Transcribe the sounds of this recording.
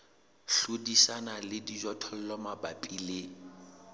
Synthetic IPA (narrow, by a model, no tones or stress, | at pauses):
ɬʊdisanalɪdid͡ʒɔtʰɔl̩lɔmabapʼile